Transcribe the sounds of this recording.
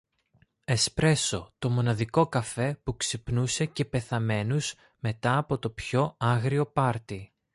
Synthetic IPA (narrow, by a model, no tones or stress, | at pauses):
e̞spɾe̞so̞t̪o̞mo̞nɐðiko̞kɐfe̞puksipnusece̞pe̞θɐme̞nuz̥ | me̞t̪ɐːpo̞t̪o̞pço̞ɐɣɾio̞pɐɾt̪i